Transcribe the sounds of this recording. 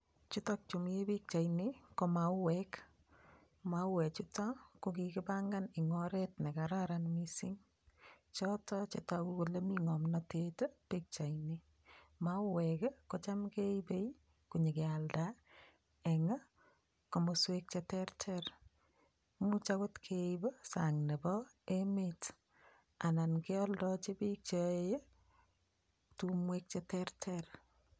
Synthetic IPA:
t͡ʃu˦tɔ˦k̚t͡ʃo˨m˦je˦pi˦k̚t͡ʃa˨jniko˨ma˨ʊ˦wɛk | ma˦wɛ˨t͡ʃutɔ˦ko˦kikɪ˦paŋɡa˦nɪ˨ŋɔɾɛtne˨kaɾaɾanmisi˦ŋ | t͡ʃɔtɔ˦t͡ʃetaku˦ko˨le˦miŋɔ˨mnɔteto˦pik̚t͡ʃa˨jni | maʊ˦wɛkko˨t͡ʃa˦mke˦ipe˦i | ku˨ɲe˨ke˨alda˦ | ɛ˨ŋa˦ | ko˨moswe˦k̚t͡ʃɛtɛrtʰɛr | mu˦t͡ʃako˦tkʰeibo˦saŋne˨bɔ | emet | a˨na˨nke˦ɔ˦ldɔ˦t͡ʃe˦bik̚t͡ʃɔeje | tumwek̚t͡ʃɛtɛrtʰɛr

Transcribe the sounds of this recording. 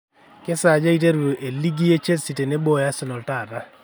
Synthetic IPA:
ke˦sa˨d͡ʒa˦i˦te˦ɾʔe˨li˦ɡi˦e˦t͡ʃe˦si˨te˨ne˦bo˦ja˦sɪ˦nɔ˨lta˦˨ɾa˦

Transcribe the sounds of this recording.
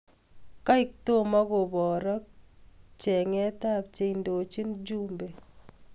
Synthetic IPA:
ka˦ɪk̚to˦ma˦ko˨bɔ˨ɾɔ˦k̚t͡ʃɛ˨ŋɛ˦ta˦p̚t͡ʃe˦indo˨t͡ʃi˦nd͡ʒumbe˨

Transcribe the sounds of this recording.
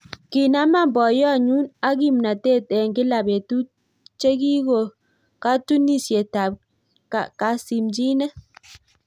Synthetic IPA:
ki˨na˦ma˦˨m˨bɔ˨jɔ˦a˨ɲu˦na˦ɡi˦˨mna˨te˦˨tɛ˨ŋ˨ɡi˦la˨be˨tu˦ | t͡ʃe˦ɡi˦ɣo˨ | ka˦tu˦ni˦˨sje˨ta˨b̚ | ka˨ka˨˦si˨md͡ʒi˦nɛ˦

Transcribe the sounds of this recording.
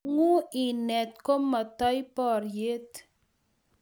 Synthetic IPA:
ŋu˦i˨nɛ˨t̪̚ko˦mːa˨t̪ɔ˦jpɔ˨rje˦t̪

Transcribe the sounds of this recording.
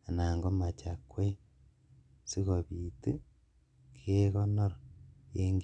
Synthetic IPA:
a˨na˨ŋɡo˦ma˨t͡ʃakwe˦ | si˦ɣo˨βite˦ | kʰe˦ɣo˦no˦ɾojeːŋɡ

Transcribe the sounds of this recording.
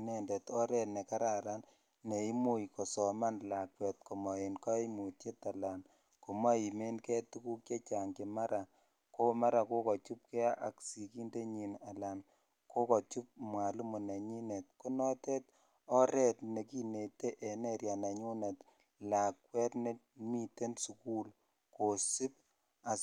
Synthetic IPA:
ne˨nde˨tɔ˦ɾɛ˦tne˨ka˦ɾa˨ɾan | ne˨i˦mu˦jkɔ˨sɔ˨ma˦nla˨kwɛ˨t̚ko˨mɔ˨e˨nkɔ˦mu˨tje˦ta˨la˨n | ko˨ma˦i˨me˦nkɛ˦tu˦ku˦kje˦t͡ʃa˨ŋkema˦ɾa˨ | ko˦ma˦ɾa˨ko˦kɔ˨t͡ʃu˦p̚ke˦a˦ʔa̰˨ksi˨ki˦nde˦ɲi˨na˨la˨n | kʰo˦kɔ˨t͡ʃu˦p̚mwa˨lu˦mu˨na˨ɲi˦ne˨t̚ku˦nɔ˦tɛ˦t | ɔ˦ɾɛ˦tne˨ki˦ne˨te˦ʔɛ˨ne˦ɾja˨na˨ɲu˦ne˨t | la˨kwɛ˦tne˦ | mi˦te˦nsu˨ku˦l | ko˨si˦p̚ | a˨

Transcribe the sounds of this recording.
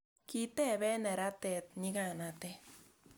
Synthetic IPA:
ki˦t̪ɛ˦˨βɛ˦nɛ˨ɾa˦t̪ɛ˨t̪̚ɲi˦ka˦˨na˨t̪e˦

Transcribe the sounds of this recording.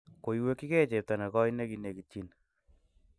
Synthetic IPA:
ko˨iwe˦kːi˦kɛ˦t͡ʃe˨p̚ta˨na˨kɔ˦ine˦kine˨ki˨t͡ʃi˦n

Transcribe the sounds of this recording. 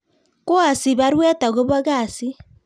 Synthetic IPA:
kwa˨si˨βa˦ɾwɛ˦ta˨ɣo˦βa˦ɣa˦˨si˦

